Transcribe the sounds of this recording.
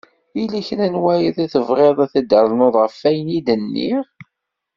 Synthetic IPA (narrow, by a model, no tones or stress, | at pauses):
ilæçnænwæjəðˤæθəvʁeðˤæθəd̪əɾˤlnoðˤʁəfːæjənid̪ənːḭ